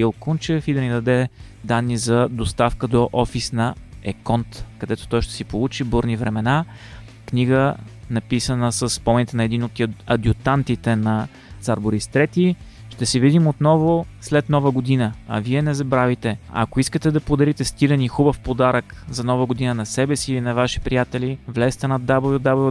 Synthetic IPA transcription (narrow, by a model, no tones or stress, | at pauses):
ilˠkunt͡ʃɛfid̪ɐnid̪ɐd̪ɛ | d̪anːizɐd̪ost̪afkəd̪oʔɔfisnɐɛkɔnt̪kɐd̪ɛt̪o̥t̪ɔjʃt̪ɛ̥sipolˠut͡ʃibuɾnivɾɛmɛna | kniɡənɐpisənəsəsːpɔmɛnit̪ɛnɐɛd̪inot̪ɐd̪ʲjʊt̪ant̪it̪ɛnɐ | t̪saɾboɾist̪ɾɛt̪i | ʃt̪ɛsɛvid̪imot̪nɔvoslɛt̪nɔvəɡod̪inəɐ̰viɛnɛzɐbɾavit̪ɛɐ̰koiskət̪ɛd̪ɐpod̪ɐɾit̪ɛst̪ilɛnixubəfpod̪aɾəkzɐnɔvəɡod̪inənɐsɛbɛsilinɐvaʃi̥pɾijat̪ɛlivlɛst̪ɛnɐd̪abɐvod̪abɐv